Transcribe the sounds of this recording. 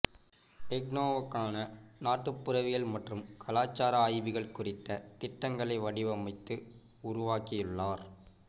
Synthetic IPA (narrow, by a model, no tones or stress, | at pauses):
ɛɡnoːʋɐkːaːnɐnaːʈːɯpːʊɾɐʋɪjɐlmɐʈrɯmkʰɐlaːt͡ʃːaːɾɐaːjʋɪɣɐɭkʊrɪt̪ːɐt̪ɪʈːɐŋɡɐɭɐɪʋɐɽɪʋɐmɐɪt̪ːɯ | ʊɾʊʋaːkɪjɯɭːaːɾ